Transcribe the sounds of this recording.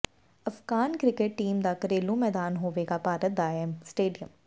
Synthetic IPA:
ɐfɡaːnkɾɪkeʈːiːmd̪aːkəɾeːlõmɛːd̪aːnɦoːʋeːɡapaːɾət̪̚d̪aːɛmsʈeːɖijəm

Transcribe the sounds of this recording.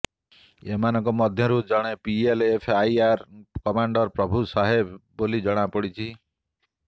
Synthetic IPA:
emanɔŋkɔmɔd̪ʱjɔɾud͡ʒɔɽ̃epielepʰajaɾkɔmaɳɖɔɾpɾɔbʱusaɦebː | olid͡ʒɔɽ̃apɔɽit͡ʃʰi

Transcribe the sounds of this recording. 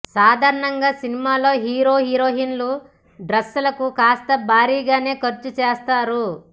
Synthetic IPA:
saːd̪ʱaːɾɐɳɐŋɡaːsinimaːlo̞ːɦiːɾo̞ːɦiːɾoːɦinlu | ɖɾɐsːulɐkukaːst̪ɐbʱaːɾiːɡaːne̞ːkɐɾt͡ʃut͡ʃeːst̪aːɾu

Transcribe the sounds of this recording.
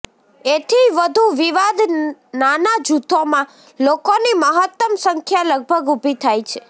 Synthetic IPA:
et̪ʰiʋəd̪ʱuʋiʋad̪nanad͡ʒut̪ʰomã | lokoniməɦət̪ːəmsəŋkʰjaləɡ̚bʱəɡubʱit̪ʰajt͡ʃʰe

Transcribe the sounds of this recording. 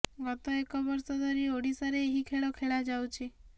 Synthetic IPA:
ɡɔt̪ɔekɔbɔɾsɔd̪ɔɾioɽisaɾeːɦikʰeɭɔkʰeɭad͡ʒawt͡ʃʰi

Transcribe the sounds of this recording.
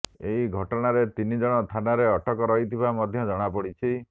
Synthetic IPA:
eɦiɡʱɔʈɔɽ̃aɾet̪inid͡ʒɔɽ̃ɔst̪ʰanaɾeɔʈɔkɔɾɔɦit̪ʰibamɔd̪ʱjɔd͡ʒɔɽ̃apɔɽit͡ʃʰi

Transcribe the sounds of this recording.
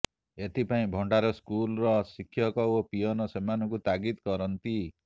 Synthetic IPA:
et̪ʰipaĩbʱɔɳɖaɾɔskulɾɔsikʰːjɔkɔopijɔnɔsemanɔkut̪aɡit̪kɔɾɔnt̪i

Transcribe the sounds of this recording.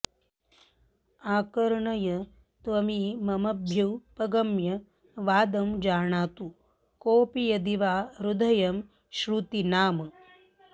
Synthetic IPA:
aːkɐɾɳɐjɐ | t̪ʋɐmiːmɐmɐbʱjɐwpɐɡɐmjɐ | ʋaːd̪ɐmd͡ʒaːɳaːt̪u | koːpijɐd̪iʋaːɾud̪ɐjɐm | ʃɾut̪inaːmɐ

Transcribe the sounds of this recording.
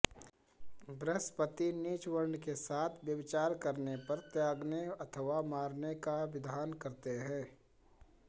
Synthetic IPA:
bɾəspət̪iniːt͡ʃwəɾnkesaːt̪ʰʋjəʋɪt͡ʃaːɾkɐɾnepɐɾt̪jaːɡneɐt̪ʰəʋamaːɾnekaʋɪd̪ʱaːnkɐɾt̪eɦɛ̃ː

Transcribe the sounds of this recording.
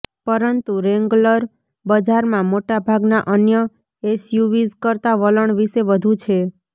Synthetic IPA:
pəɾənt̪uɾeŋɡləɾ | bəd͡ʒaɾmãmoʈabʱaɡnaʔənjə | esjuʋizkəɾt̪aʋələɳʋiʃeʋəd̪ʱũt͡ʃʰe

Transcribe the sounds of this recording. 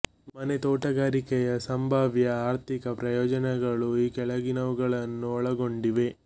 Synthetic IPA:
mɐnet̪oːʈɐɡaːɾikɛjɐsɐmbʱaːʋjɐaːɾt̪ʰikɐpɾɐjɔːd͡ʒɐnɛɡɐɭuiːkɛɭɐɡinɐʋuɡɐɭɐnːuɔɭɐɡo̞ɳɖiʋe̞

